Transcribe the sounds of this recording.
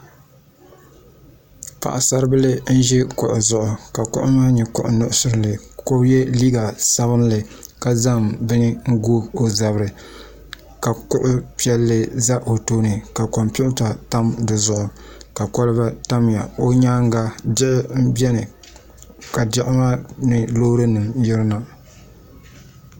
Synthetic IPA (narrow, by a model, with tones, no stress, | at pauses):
pa̰˨ʔa˨sa˦ɾɨ˦bɨ˦lɨ˦n̩˦ʒɛ˦kʊ˨ʔʊ˨zʊ˨ʔʊ˨ka˨kʊ̰˦ʔʊ˦maː˦ɲɛ˨kʊ̰˦˨ʔʊ˨nʊ˦ʔʊ˦sʊ˦ɾɨ˨lɨ˨ko˦bjɛ˦liː˦ɡa˨sa˦βɨ˦n˦lɨ˨ka˨za˦mbɨ˦nɨ˦ŋ̩˦ɡoː˦o˨za˨bɾɨ˨ | ka˨kʊ˦ʔʊ˦pi˦ɛ˦lːɨ˦za˦ʔo˨toː˦nɨ˨ka˨kɔ˨mpu˦ʔta˨ta˦mdɨ˨zʊ˨ʔʊ˨ka˨kɔ˦lɨ˦ba˦ta˦m˨ja˨o˦ɲaː˦ŋ˦ɡa˦d͡ʒɪ˦ʔɪ˦m̩˦bjɛ˦nɨ˨ | ka˨dɛ˦ʔʊ˦ma˦nɨ˨loː˦ɾɨ˦nɨ˨mjɪ˦ɾɨ˦na˨